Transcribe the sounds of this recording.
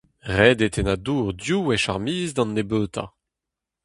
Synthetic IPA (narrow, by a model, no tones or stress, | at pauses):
ʁɛːd̪et̪ʰenaduːʁd̪juwɛʃaʁmiːzd̪ɑ̃nːebøːt̪ʰa̰